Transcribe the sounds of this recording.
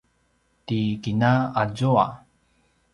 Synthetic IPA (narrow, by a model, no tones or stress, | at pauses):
tikinaad͡ʑoa̰